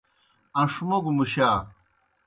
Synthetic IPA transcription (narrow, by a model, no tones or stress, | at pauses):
ɐ̃ʂmoɡumuɕaː